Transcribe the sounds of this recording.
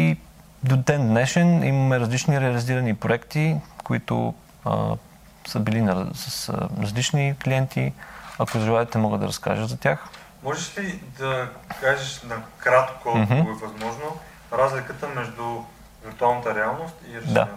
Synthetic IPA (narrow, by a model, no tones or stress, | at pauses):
i | d̪od̪ɛnd̪nɛʃɛnḭmɐmɛɾɐzlit͡ʃniɾɛɐliziɾɐnipɾoɛkt̪ikoit̪ʊ̰ | ə̰ | səbilinɐsɐsɾɐzlit͡ʃnikliɛnt̪iɐkozɾivˠaɛt̪ɛmɔɡəd̪ɐ̰ɾɐ̰ska̰ʒəzɐt̪ʲjax | mɔʒɛʃlid̪ɐkaʒiʃnɐkɾat̪komɦm̩oɛvɐzmɔʒno | ɾazlʲikət̪əmɛʒd̪ʊ | viɾt̪ualˠnət̪əɾɛalˠnost̪iɾɐd̪a̰